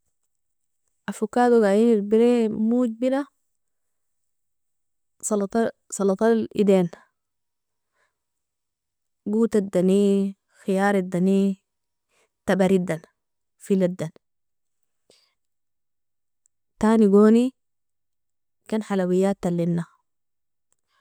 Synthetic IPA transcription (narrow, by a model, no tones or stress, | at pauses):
ʔafukːaːd̪uɡajiniɾbiɾemuːɟ̚bila | slt̪ | sˤɑlɑt̪ˤɑlʔḭd̪eːn | ɡuːt̪ad̪ani | xijaːɾed̪ːani | t̪abaɾid̪an | filad̪an | t̪aːniɡoːni | kanħalawijːaːt̪ːalːinːa